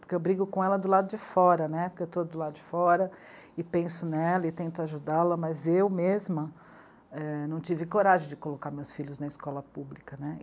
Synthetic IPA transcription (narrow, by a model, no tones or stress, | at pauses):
poɾkeewbɾiɡʊkõɛlɐd̪ʊlad̪ʊd͡ʒɪfɔɾɐnɛpoɾkeewt̪od̪ʊlad̪ʊd͡ʒɪfɔɾɐ | ɪpẽsʊnɛlɐɪt̪ẽnt̪ʊaʒud̪alɐmɐzewmezmɐ | ɛnɐ̃w̃t͡ʃivɪkoɾaʒẽj̃d͡ʒɪkolokaɾmewsfiʎʊznɐɪskɔlɐpublikɐnɛ